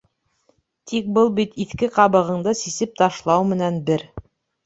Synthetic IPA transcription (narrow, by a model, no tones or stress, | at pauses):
t̪ʰik̚bɤlˠbit̪iθkɘqɑβɤ̆ʁɤ̆ɴd̪ɤsisɘp̚t̪ɑʃlˠɑwmɘ̆nænbɘɾ